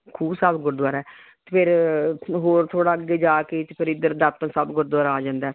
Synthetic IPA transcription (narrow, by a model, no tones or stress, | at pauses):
kʰuːbsəbɡʊɾd̪waːɾaɛː | t̪ːpʰɪɾɦoːɾt̪ʰoːɽaːəɡːeːd͡ʒaːket̪ːpʰɪɾɪd̪əɾd̪ət̪ə̃nsəbɡʊɾd̪waːɾaːd͡ʒãːnd̪ɛː